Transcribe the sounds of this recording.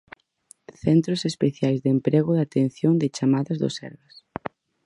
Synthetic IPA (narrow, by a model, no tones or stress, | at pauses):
θɛnt̪ɾosespeθjajzðempɾeɣʊðat̪ẽn̟θjoŋd̪ɪt͡ʃamaðɐzðo̰sɛ̰ɾβɐs